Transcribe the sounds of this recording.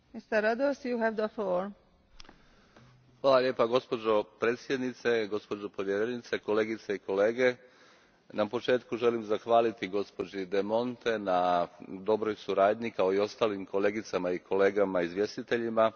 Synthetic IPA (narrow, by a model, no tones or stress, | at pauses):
mist̪əɾad̪osjuɦɛvd̪əfloɾ | xʋaːlalʲe̞ːpaɡo̞spo̞d͡ʒo̞pɾeːt̪sjed̪nit̪se̞ɡo̞spo̞d͡ʒopo̞ʋjeɾenit̪seko̞le̞ːɡit̪seiko̞leːɡe̞ | napo̞t͡ʃe̞ːt̪kuʒe̞limzaxʋaːlit̪iɡo̞spo̞d͡ʑid̪e̞mo̞nt̪e̞nad̪o̞bɾo̞jsuɾaːd̪ɲikao̞io̞st̪aːlimko̞le̞ːɡit̪samaikʰo̞le̞ːɡamaizʋje̞st̪it̪e̞ʎima